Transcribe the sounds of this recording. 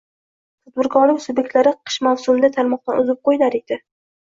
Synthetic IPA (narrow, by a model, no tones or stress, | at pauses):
t̪ʰat̪̚bɪɾɡɒlˠɪkʲsʊbjek̚ʲt̪laɾɪqʰɨ̥ʃmawsʊmɪd̪at̪ʰaɾmɒq̚t̪anʊzɪp̚qojlaɾed̪̥ɪ